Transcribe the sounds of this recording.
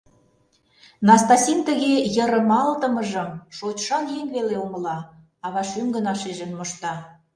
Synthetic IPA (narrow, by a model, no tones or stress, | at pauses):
nɑst̪ɑsʲint̪ə̆ɣejə̆ɾə̆mɑlt̪ə̆mə̆ʒə̆mʃot͡ɕʃɑnjeŋβeleomə̆lɑ | ɑβɑʃyŋɡə̆nɑʃeʒə̆nmoʃt̪ɑ